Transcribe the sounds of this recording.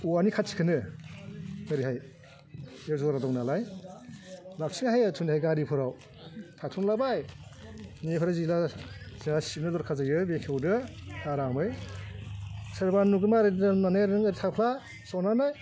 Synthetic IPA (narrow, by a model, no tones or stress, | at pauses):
uanikʰat̚t͡ʃʰi̥kʰɯnɯ | əɾiɦaj | ewzɔɾadɔŋnalaj | lap̚ʰsiŋaɦajatʰundihajɡaɾipʰɯɾaw | tʰatʰuŋlabaj | nepʰɯɾazilaziŋasip̚nɯdɔɾkʰazajɯbekʰewdɯaɾamɯj | sɯɾbanːuɡɯmaɾinanajaɾɯŋəɾitʰawpʰla | sɔnanaj